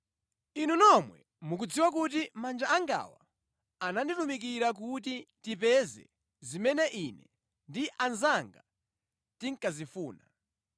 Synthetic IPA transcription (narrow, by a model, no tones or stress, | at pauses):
inunɔmwɛ̰ | muk̬ud͡ziwak̬ut̬imand͡ʒaaŋɡa̰wa̰ | ananditumik̬iɾak̬utitipɛzɛ̰ | zimɛnɛʔinɛ̰ | ndiʔanzaŋɡa | tiŋ̩kazifuːna